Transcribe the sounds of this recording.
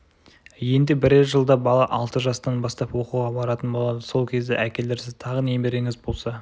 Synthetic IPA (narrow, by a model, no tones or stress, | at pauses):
je̞nd̪e̞bɪɾeʒəlˠd̪ɑbɑlˠɑʔɑlˠt̪əʒɑst̪ɑnbɑst̪ɑpwo̞quʁɑbɑɾɑt̪ənbo̞lˠɑd̪əso̞lˠkʲʰe̞zd̪eʔækʲe̞ld̪eɾsɪzt̪ʰɑʁənemeɾeŋɪzbo̞lˠsɑ